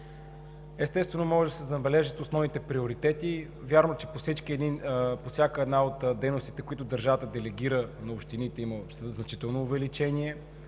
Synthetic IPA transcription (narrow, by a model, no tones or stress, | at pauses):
ɛst̪ɛst̪vɛnomɔʒɛʒd̪ɐsɛzɐbɛlɛʒət̪osnɔvnit̪ɛpɾioɾit̪ɛt̪i | vʲjaɾnot͡ʃɛposit͡ʃkiɛd̪inposʲjakəɛd̪naot̪d̪ɛjnost̪it̪ɛkoit̪ʊd̪ɐɾʒavət̪əd̪ɛlɛɡiɾənɐopʃt̪init̪ɛimə | znɐt͡ʃit̪ɛlˠnoːvɛlit͡ʃɛniɛ